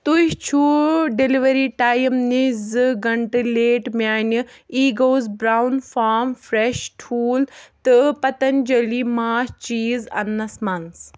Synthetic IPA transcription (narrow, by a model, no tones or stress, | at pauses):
t̪uʃt͡ʃʰuɖeliʋɐɾiːʈaːjmnizɨɡɐɳʈɨleːʈmʲaːnʲɨiːɡoːzbɾaːwnfaːmfɾeʃʈʰuːlt̪ɨpɐt̪ɐnʲd͡ʒɐliːmaːst͡ʃiːzɐ̰nːɐsmɐns